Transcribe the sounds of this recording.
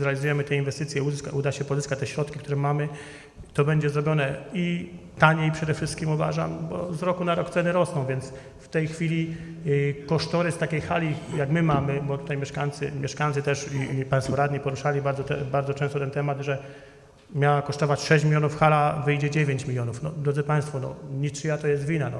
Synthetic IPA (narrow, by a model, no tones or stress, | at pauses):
zɾɛalʲizujɛmɘt̪ɛinvɛst̪ɘt̪sʲjɛukaud̪aɕɛpɔzɘskat͡ɕt̪ɛɕɾɔt̪kʲik̚t̪uɾɛmamɘ | t̪ɔbɛɲd͡ʑɛzɾɔbʲjɔnɛit̪aɲɛipʂɛd̪ɛfʂɘst̪kʲimuva̰ʐa̰mbɔ̰zɾɔkunaɾɔkt̪sɛnɘɾɔsnɔ̃w̃vʲjɛnt̪s | ft̪ɛjxfʲilʲi | kɔʂt̪ɔɾɘst̪akʲejxalʲijakmɘmamɘbɔt̪ut̪ajmʲjɛʂkajt̪sɘ̰mʲjɛʂkajnt̪sɘt̪ɛʂipaj̃st̪fɔɾad̪ɲipɔɾuʂalʲibaɾd̪zɔt̪ɛbaɾd̪zɔt͡ʂɛ̃st̪ɔt̪ɛnt̪ɛmad̪ʐɛ | mʲjawakɔʂt̪ɔvat͡ɕʂɛɕ̬t͡ɕmʲilʲjɔnufxalavɘjd͡ʑɛd͡ʑevʲjeɲt͡ɕmʲilʲjɔnufnɔd̪ɾɔd̪zɘpaj̃st̪fɔnɔ̰ɲit͡ʂijat̪ɔjɛst̪vʲinanɔ